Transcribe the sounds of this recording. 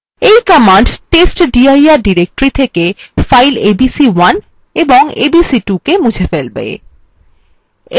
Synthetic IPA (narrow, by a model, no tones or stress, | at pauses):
ejkɔmaɳɖʈesʈɖiajaɾɖiɾek̚ʈɾit̪ʰekefajlebisiwan | eboŋḛbisiʈukemud͡ʑʱefelbɛ̰ḛ